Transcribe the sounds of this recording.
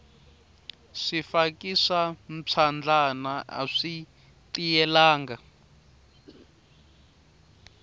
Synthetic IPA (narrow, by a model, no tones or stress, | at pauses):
ʂifakʼisam̩t͡sʰand͡ɮʱanaa̰ʂi | tijɛlaːŋɡa